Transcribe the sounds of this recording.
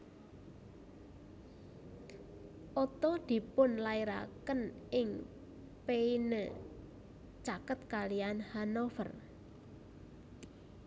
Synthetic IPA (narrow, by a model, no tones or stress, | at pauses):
ʔɔt̪ɔd̪̥i̤pʊnlaiɾa̰kənʔɪŋ | peinə | t͡ʃakət̪̚kalijanhanofər